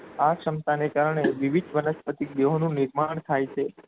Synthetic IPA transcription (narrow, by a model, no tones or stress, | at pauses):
akʃəmt̪anekaɾɳeʋiʋid̪ʋənəspət̪id̪eɦonũnɪɾmaɳ̃t̪ʰajt͡ʃʰe